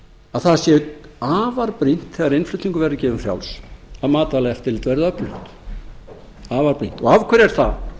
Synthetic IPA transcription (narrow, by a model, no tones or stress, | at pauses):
aðθaðsjɛaːvaɾpɾin̥t̪θɛːɣaɾenflʏːt̪iŋkʏvɛɾðɪcɛːvʏmfrja̰wlsaðmaːt̪alɛft̪ʰːɪlt̪vɛɾðapʏht̪ | aːvaɾpɾin̥t̪ɔɣavkʰvɛɾɛɾ̥θa